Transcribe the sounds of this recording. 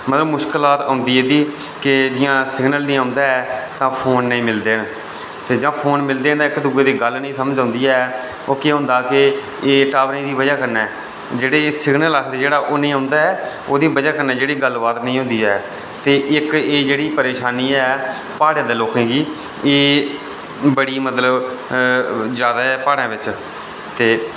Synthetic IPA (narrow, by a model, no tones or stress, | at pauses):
mət̪ləbmʊʃklaːt̪ə̃ːnd̪iːeːd̪iː | kɪd͡ʒɪjãːsɪɡnəlnĩːãʊ̃nd̪aːɛːt̪ãːpʰoːnːəĩːmɪld̪eːn | t̪eːd͡ʒãːpʰoːnmɪld̪eːnd̪ːɪkd̪uɡeːd̪iːɡəlnəĩːsəməd͡ʒãːnd̪iːɛː | oːkeɦʊ̃ːnd̪aːkɪ | eːʈaːbnẽːd̪iːbəd͡ʒaːkəɾnɛː | d͡ʒeːɽeːsɪɡʰnəlaːkʰd̪eːd͡ʒeːɽaːʔoːnĩːɦʊ̃nd̪aːɛː | oːd̪iːbəd͡ʒaːkəɾnɛːd͡ʒeːɽiːɡəlbaːt̪nə̃ĩːɦʊ̃nd̪iːɛː | t̪eːʔɪkeːd͡ʒeːɽiːpəɾeːʃaːniːɛː | paːɽjãːd̪eːloːkẽːɡiː | eː | bəɽiːmət̪ləb | d͡ʒaːd̪aːɛːpaːɽãːʋɪt͡ʃ | t̪eː